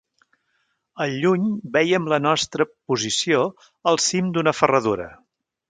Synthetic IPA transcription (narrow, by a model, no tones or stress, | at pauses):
əʎuɲbɛjəmlənɔst̪ɾəpuzisio | əlˠsimd̪unəfərəðuɾə̰